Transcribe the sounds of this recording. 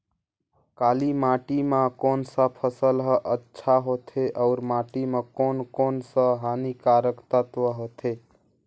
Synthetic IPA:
kalimaʈimãkonsə̃pʰəsəlɦəʔətːʃʰaɦot̪ʰeʔəʊɾmaʈimãkonkonsə̃ɦanikaɾəkt̪ət̪ʋəɦot̪ʰe

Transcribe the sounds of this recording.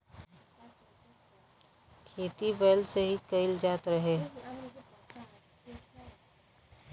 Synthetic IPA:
kʰeːt̪ibeːlseɦikəɪld͡ʒaːt̪ɾəɦe

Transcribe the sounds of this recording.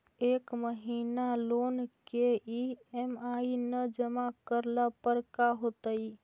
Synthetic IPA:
ekməɦinalonkeiemainəd͡ʒəmakəɾlapəɾkaɦot̪əj

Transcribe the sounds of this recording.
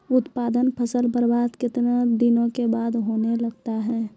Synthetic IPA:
ʊt̪paːd̪ənpʰəsəlbəɾbaːd̪kɪt̪nad̪ɪnõkebaːd̪ɦoːnelɐɡt̪aɦɛː

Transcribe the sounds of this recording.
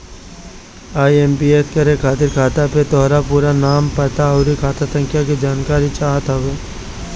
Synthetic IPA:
aːieːmpieːskɐɾekʰaːt̪ɪɾkʰaːt̪apet̪ɔːɾapuːɾanaːmpɐt̪aɐʊɾikʰaːt̪asə̃ŋkʰjakid͡ʒaːnkaːɾit͡ʃaːɦət̪ɦɐʋeː

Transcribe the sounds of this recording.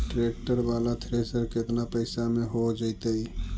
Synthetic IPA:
ʈɾek̚ʈəɾbalat̪ʰɾesəɾket̪napəɪsameɦod͡ʒat̪əj

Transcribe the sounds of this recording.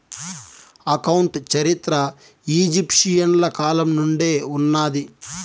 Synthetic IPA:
ɐkɐwuɳʈt͡ʃɐɾit̪ɾɐ | iːd͡ʒipʂijɐnlɐkaːlɐmnuɳɖe̞ːunːaːd̪i

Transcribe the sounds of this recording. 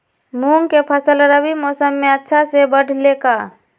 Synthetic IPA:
muːŋkepʰəsəlɾəbimɔːsəmːẽətːʃʰasebəɖʱlekaː

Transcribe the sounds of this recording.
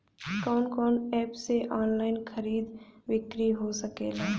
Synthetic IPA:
kaːnkɔːnɛːpseʔɔːnlaːɪnkʰəɾiːd̪ʋɪkɾiɦosəkeːlaː

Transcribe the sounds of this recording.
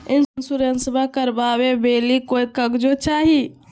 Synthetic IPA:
ɪnnsuɾənsəbʱakəɾbaʋebeːlikoj̪̚kəɡd͡ʒot͡ʃaːɦi

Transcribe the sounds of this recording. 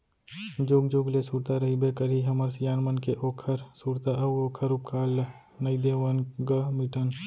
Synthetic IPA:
d͡ʒoːɡd͡ʒoːɡlesuːɾt̪aɾɐɦibekəɾiɦɐməɾsjaːnmənkeʔoːkʰəɾsuːɾt̪aɐoːkʰəɾʊp̚kʰaːl | nɐid̪eːʋənɡəmiʈən

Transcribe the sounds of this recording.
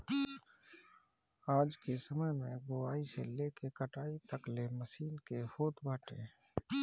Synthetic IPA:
aːd͡ʒkesəməjmẽɡoaːiseleːkekəʈaːit̪əkleməsiːlkehoːt̪bʱaːʈḛ̃ː

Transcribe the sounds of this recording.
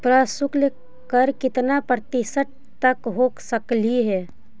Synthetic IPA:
pɾaːsʊkl | kəɾkɪt̪napɾət̪ɪsəʈ̚ | t̪əkɦoːksəkliɦɛː

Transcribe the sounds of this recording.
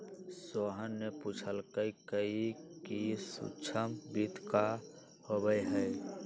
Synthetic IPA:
soɦənːeput͡ʃʰəlkəikəikisṵt͡ʃʰəmbid̪ʱka | hobəjɦəj

